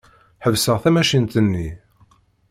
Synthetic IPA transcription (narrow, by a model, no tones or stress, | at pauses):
ħəvsəʁθæmæʃint̪ənːi